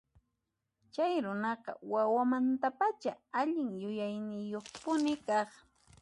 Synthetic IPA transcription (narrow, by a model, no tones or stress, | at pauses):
t͡ʃajɾʊnɑqɑ̰wawamant̪apat͡ʃaaʎɪŋjʊjajnɪjoχpʊnɪkɑχ